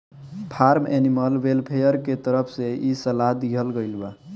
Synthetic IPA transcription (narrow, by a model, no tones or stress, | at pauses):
pʰaɾmḛniməlʋelpʰejəɾket̪əɾəpʰseisəlaɦd̪iɦəlɡəjlba